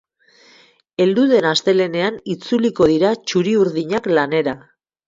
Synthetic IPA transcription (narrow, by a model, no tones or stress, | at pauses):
e̞ld̪uðe̞nast̪e̞le̞ne̞anit͡suliko̞ðiɾat͡ʃuɾiuɾðiɲaklane̞ɾa